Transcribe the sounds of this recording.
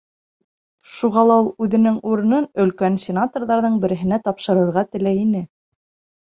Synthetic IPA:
ʃuʁɑlˠɑulˠʉðɘ̆nɘŋuɾɤ̆nɤnɵ̆lkænsʲenat̪orðɑɾðɤɴbɘ̆ɾɘ̆ɦɘ̆næt̪ɑpʃɤ̆ɾɤ̆ɾʁɑt̪ɘ̆læjinɘ

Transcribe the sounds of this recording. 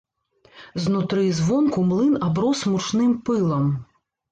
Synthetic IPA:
znut̪ɾɨzvɔnkumlˠɨnabɾɔsmut͡ʂnɨmpɨlˠɐm

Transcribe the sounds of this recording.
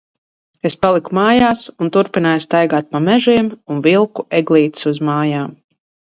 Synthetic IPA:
espalˠikumaːjaːsunt̪uɾpinaːjst̪ajɡaːt̪̚pamɛʒiːmunvilˠkuʔɛɡlˠiːt̪i̥suzmaːjaːm

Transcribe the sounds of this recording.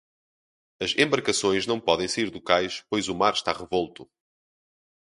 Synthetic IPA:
ɐzẽmbɐɾkɐsõj̃ʒnɐ̃w̃pɔðẽj̃sɐiɾðukajʃpojzumaɾʃt̪aʁɨvolˠt̪u

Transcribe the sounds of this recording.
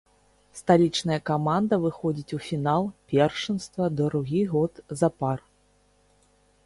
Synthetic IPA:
st̪alʲit͡ʂnɐjɐkamand̪ɐvɨxɔd͡zʲit͡sʲufʲinalˠpʲɛrʂɨnst̪vɐd̪ɐɾuɣʲiɣɔt̪zɐpar

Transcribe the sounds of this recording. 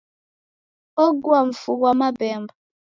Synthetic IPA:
oɡwam̩fuɡwamabɛmba

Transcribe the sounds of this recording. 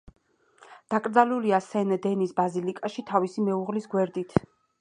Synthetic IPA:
d̪̥akʼɾd̪zaluliasɛnd̪ɛnisbazilikʼaʃit̪ʰavisimɛuʁlisɡwɛɾd̪it̪ʰ

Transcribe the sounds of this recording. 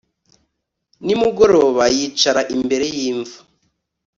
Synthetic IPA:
nimuɡo̞ɾo̞ːβajit͡ʃaɾaʔimbe̞ɾe̞jiːɱvu

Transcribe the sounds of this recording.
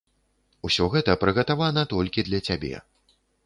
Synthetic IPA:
usʲɔɣɛt̪ɐpɾɨɣɐt̪avanɐt̪ɔlʲkʲid̪lʲɐt͡sʲabʲḛ

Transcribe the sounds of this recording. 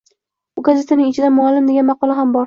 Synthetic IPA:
ʊɡazet̪ʰanɪŋɪt͡ʃʰɪd̪anmʊalːɪmd̪eɡʲanmɑqɒlˠaɦambɒɾ

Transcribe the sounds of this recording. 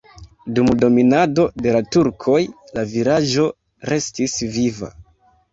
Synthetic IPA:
dumdo̞minado̞de̞latuɾkʰo̞jlaviɾaʒd͡ʒo̞ | ɾe̞stisviva̰

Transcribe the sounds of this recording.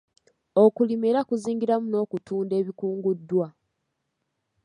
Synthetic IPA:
o̞kulimeɾakuziːŋɡiɾamuno̞ːkutuːnde̞ːβikuːŋɡudːwa

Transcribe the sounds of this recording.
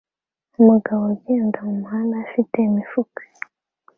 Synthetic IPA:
umuɡaβoɟeːndamumuhandaːfiteimifuke̥

